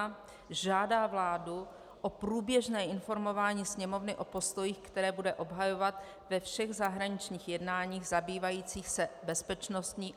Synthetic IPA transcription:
ʒaːdaːvlaːdu | ʔopɾuːbjɛʒnɛːʔɪnfo̞ɾmo̞vaːɲiːsɲɛmo̞vnɪʔo̞po̞st̪o̞jiːxkt̪ɛɾɛːbudɛʔo̞bɦajo̞vat̪ | vɛfʃɛɣzaɦɾaɲɪt͡ʃɲiːxjɛdnaːɲiːɣzabiːvajiːt͡siːxsɛbɛspɛt͡ʃnost̪ɲiː

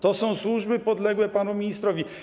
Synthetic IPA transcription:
t̪ɔsɔ̃w̃swuʐbɘpɔd̪lɛɡwɛpanumʲiɲist̪ɾɔvʲi

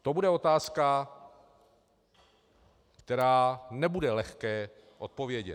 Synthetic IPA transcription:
t̪o̞budɛo̞t̪aːska | kt̪ɛɾaːnɛbudɛlɛxkɛː | ʔo̞t̪̚po̞vjɛɟɛ̰t̪

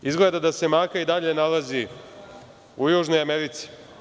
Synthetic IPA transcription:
izɡle̞ːd̪ad̪ase̞maːkaid̪aʎe̞nalazi | ujuːʒno̞jameɾit̪si̥

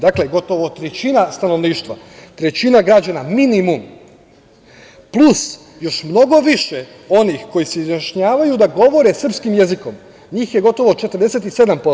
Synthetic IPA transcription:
d̪akleɡo̞t̪o̞ʋot̪ɾet͡ɕinast̪ano̞ʋniːʃt̪ʋa̰ | t̪ɾe̞t͡ɕinaɡɾad͡ʑanaminimum | plˠus | jo̞ʃmno̞ɡo̞ʋiʃe | o̞nixko̞jiseizjaʃɲaːʋajud̪aɡo̞ʋo̞ɾe̞sr̩pskimje̞ziko̞m | ɲiːxje̞ɡo̞t̪o̞ʋot͡ʃe̞t̪əɾ̩d̪e̞set̪ise̞d̪ampo

